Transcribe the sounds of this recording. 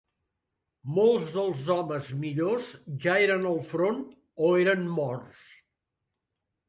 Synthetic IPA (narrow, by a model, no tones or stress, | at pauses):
molˠzðəlˠzɔməzmiʎozʒaeɾənəlˠfɾon | oeɾənmɔrs